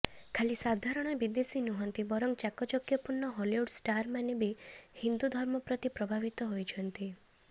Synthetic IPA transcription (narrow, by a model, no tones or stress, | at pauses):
kʰalisad̪ʱaɾɔɽ̃ɔbid̪esinuɦɔnt̪ibɔɾɔŋt͡ʃakɔt͡ʃɔkjɔpuɾɳːɔɦɔliuɖsʈaɾmanebihind̪ud̪ʱɔɾmɔpɾɔt̪ipɾɔbʱaʋit̪ɔɦojt͡ʃʰɔnt̪i